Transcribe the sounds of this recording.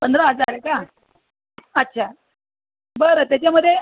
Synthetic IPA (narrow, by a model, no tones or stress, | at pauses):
pənd̪ɾəɦəd͡zaɾeka | ətːɕʰa | bəɾət̪jat͡ɕaməd̪ʱːje